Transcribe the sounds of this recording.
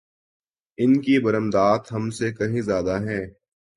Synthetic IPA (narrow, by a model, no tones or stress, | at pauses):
ɪnkibɐɾəmd̪aːt̪ɦɐmsekɐɦĩzjaːd̪aɦɛː